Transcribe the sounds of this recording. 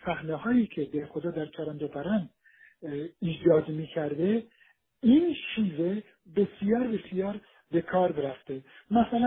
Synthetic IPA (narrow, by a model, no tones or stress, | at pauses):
sæhnehɒːjiːkʰed̪eɾxod̪ɒːd̪æɾt͡ʃʰæɾænd̪opʰæɾænd̪ | iːd͡ʒɒːd̪miːkʰæɾd̪e | inʃiːve | besjɒːɾbesijɒːɾ | bekʰɒːɾbeɾæft̪emæsælæ